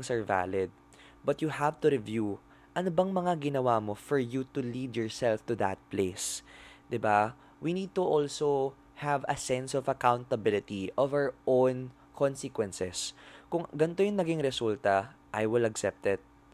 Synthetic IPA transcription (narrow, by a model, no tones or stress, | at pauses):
ŋsɛɹva̰lɪd̪̚ | bɐt̪̚juhavt̪ʊɾɪvju | ʔɐnobɐŋmɐŋaɡɪnɐwamofɔɹjut̪ulid̪jɔɹsɛlft̪uðɐ̰t̪̚plesd̪ɪba | winid̪̚t̪uʔɔlso | hævɐ̰sɛ̃nsɔvɐkawnt̪ɐbɪlɪt̪iʔɔvaɹʔõwn | kʰɔnsɪkwɛ̃nsɛskʊŋɡɐnt̪ojʊŋnɐɡɪŋɾɛsult̪ɐʔajwɪlɐksɛp̚t̪ɪt̪̚